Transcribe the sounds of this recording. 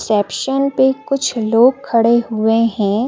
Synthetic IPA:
sɛːpʃənpekʊt͡ʃʰloːɡ̚kʰɐɽeɦʊeɦɛ̃ː

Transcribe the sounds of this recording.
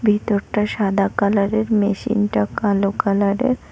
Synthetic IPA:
bʱit̪ɔɾʈaɕad̪akalaɽeɾmeɕḭntakalokalaɾḛɾ

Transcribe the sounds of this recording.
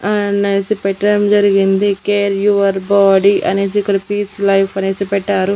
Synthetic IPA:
ɐneːsipɛʈːɐɽɐmd͡ʒɐɾiɡind̪ikeːɾjuʋɐɾbaːɖiʔɐne̞ːs̬iːkːɐɽɐpiːslɐjpʰɐneːsipɛʈːaːɾu

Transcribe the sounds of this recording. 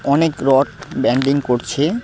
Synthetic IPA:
ɔnekɾɔʈbɛɳɖiŋkoɾt͡ɕʰe

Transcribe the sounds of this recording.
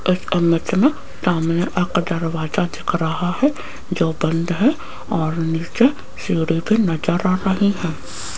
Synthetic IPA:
ɪsəmət̪mẽ | saːmneʔɐkɖɐɾʋaːzad̪ɪkʰɾɐɦaɦɛ | d͡ʒoːbə̃nd̪ɦɛ | ɔːɾniːt͡ʃe | siːɽibʱinɐd͡ʒəɾaɾɐɦiɦɛ̃ː

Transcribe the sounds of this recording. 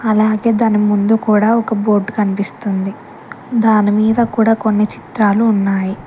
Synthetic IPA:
ɐlaːɡe̞ːd̪aːnimund̪ukuːɽaːɔkɐbo̞ːɾɖkɐnipist̪und̪i | d̪aːnimiːd̪ɐkuːɽaːko̞nːit͡ʃi̥t̪ɾaːluːnːaːji

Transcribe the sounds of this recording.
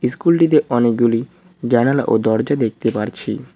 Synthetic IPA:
iskulʈit̪̬eʔɔnek̚ɡuli | d͡ʑañala̰ʔo̰d̪ɔɾd͡ʑad̪ek̚ʰt̪epaɾt͡ɕʰḭ

